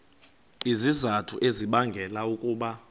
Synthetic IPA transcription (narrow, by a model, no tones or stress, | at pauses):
izizatʰṵʔeziɓaŋɡʱɛlaukʼuːɓa